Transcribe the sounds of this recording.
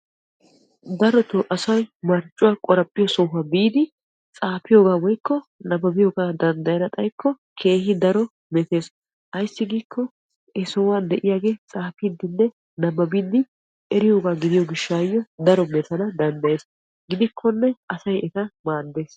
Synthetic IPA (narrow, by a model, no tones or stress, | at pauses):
d̪ɐɾɔt̪oʔɐsɐjmɐɾt͡ʃʼʊwaːkʼɔɾɐpʼːɪjɔsɔɦɐbiːd̪ɪ | t͡sʼaːfɪjoːɡaːwɔjkːɔnɐbːɐbɪjoːɡaːd̪ɐnd̪ɐjɐnɐt̪ʼɐjkʰːɔ | kʰe̞ːhɪd̪ɐɾɔ | mɛt̪e̞ːs | ʔɐjsːɪɡiːkʰːɔ | ɛsɔwaːnd̪ɛʔɪjaːɡe̞ːt͡sʼaːfɪd̪ːɪnːɛ | nɐbɐbɪd̪ɪ | ʔɛɾɪjo̞ːɡaːɡɪd̪ɪjɔɡɪʃːaːjːɔd̪ɐɾɔmɛt̪ɐnɐd̪ɐnd̪ɐjeːs | ɡɪd̪ɪkʰːɔnːɛɐsɐjɛt̪ɐmaːd̪ːe̞ːs